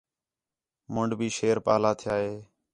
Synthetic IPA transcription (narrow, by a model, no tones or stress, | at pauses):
məɳɖbʱiːʃeːɾpa̰ːlaːt̪ʰɪjaːɦeː